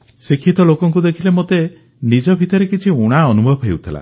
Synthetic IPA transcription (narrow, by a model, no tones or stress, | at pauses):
sikʰːit̪ɔlokɔŋk̬ud̪ekʰilemot̪e | nid͡ʒɔbʱit̪ɔɾekit͡ʃʰiuɽ̃aɔnubʱɔbɦḛwt̪ʰila̰